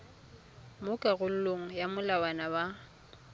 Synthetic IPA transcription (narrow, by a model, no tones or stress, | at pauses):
mʊkʼaɣʊl̩loŋ̩jamʊlawanaba